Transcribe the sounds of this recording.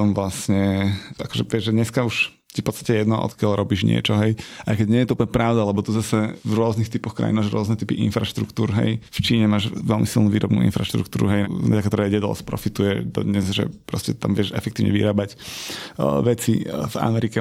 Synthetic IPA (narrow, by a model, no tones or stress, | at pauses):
ɔmvlasɲɛakɔ̥ʒɛʋɪɛʒʒɛd̪ɲɛskauʃ | tifpɔt̪t͡st̪ḁcɛjɛd̪nɔʔɔ̰t̪kɪalɾɔbiʒɲɪɛ̰t͡ʃɔɦɛjʔajkɛɟɲɪɛjɛt̪ɔuplɲɛpɾaʊd̪alɛbɔt̪uzasɛvɾʊɔznixt̪ipɔxkɾa̰jinmaːʒɾʊɔznɛt̪ipiʔḭnfɾaʃt̪ɾṵkt̪uːɾɦɛ̰jft͡ʃiːɲɛmaːʒʋɛlmisilˠnuːʋiːɾʔɔbnṵːḭnfɾaʃt̪ɾṵkt̪uːɾuɦɛjɛakt̪ɔɾɛɟɛd̪ɔ̰lɛ̰spɾɔ̰fit̪ujɛd̪ɔ̰d̪ɲɛzʒɛ̰pɾɔscɛt̪a̰mʋɪɛʃɛ̰fɛkt̪iːʋɲɛ̰ʋḭɾaːbacː | ʋɛt͡siva̰mɛɾikɛ